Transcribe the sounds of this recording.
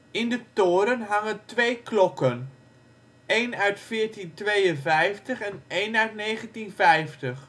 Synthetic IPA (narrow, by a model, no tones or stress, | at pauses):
ɪndətoːɾənɦaŋəntʋeːklɔkən | ejnœɥtfɪːɹtintʋejənvɛjftəχɛneːjnœɥtnejχəntinfɛjftəχ